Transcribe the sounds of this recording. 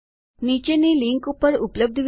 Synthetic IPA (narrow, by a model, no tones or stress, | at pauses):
nit͡ɕeniliŋkupəɾupləb̚d̪ʱʋ